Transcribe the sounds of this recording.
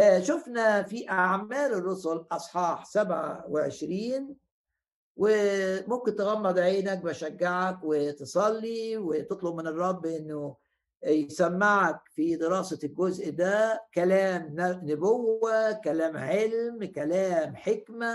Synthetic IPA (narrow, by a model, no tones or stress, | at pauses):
ʃʊfnæfiʔaʕmæːlerˤːosʊlʔɑsˤħɑːħsæbʕa̰wɪʕḛʃɾiːn | wɪmomkɪnt̪eɣæmːɑd̪ˤʕeːnæk̚bæʃæɡːaʕakwɪt̪esˤɑlːiwɪt̪ɨt̪ˤlobmɪnɨrˤːɑbːʔɪnːʊ | jsæmːaʕak̚fid̪ɪɾɑːselɡozʔd̪æːkælæːmnnʊbowːækælæːmʕelmkælæːmħekmæ